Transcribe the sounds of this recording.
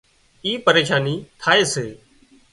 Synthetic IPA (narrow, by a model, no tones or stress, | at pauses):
iːpəɾeːʃaːniːt̪ʰaːeːseː